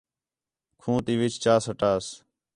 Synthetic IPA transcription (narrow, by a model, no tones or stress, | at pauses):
kʰũːt̪iːʋɪt͡ʃt͡ʃaːsəʈaːs